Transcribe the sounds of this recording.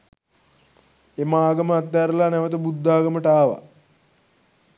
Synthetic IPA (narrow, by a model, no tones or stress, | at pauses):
emaːɡəməat̪ːæɾəlanɛʋət̪̬əbud̪ːaːɡəməʈaːʋa̰